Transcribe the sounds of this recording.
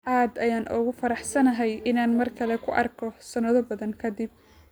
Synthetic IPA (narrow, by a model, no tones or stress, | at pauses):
ʔaːd̪ɐjaːnʔɔːɣʊfɐɾɑħsɐnɐɦɛjʔɪnaːnmɐrkʰɐlɛkʰʊʔɐrkʰɔsɐnɐðɔbɐðɐŋkʰɐd̪ɪb̚